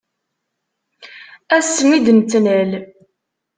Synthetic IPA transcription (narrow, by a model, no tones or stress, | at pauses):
æsːəmid̪nt̪ːnəl